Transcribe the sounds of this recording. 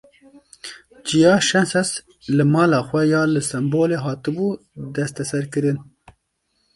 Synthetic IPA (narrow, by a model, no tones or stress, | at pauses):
t͡ʃijɑːʃɛnsɛs | lɨmɑːlɑːxʷɛjɑːlɨsɛmboːleːɦɑːt̪ɨbuː | d̪ɛst̪ɛsɛɾkɨɾɨn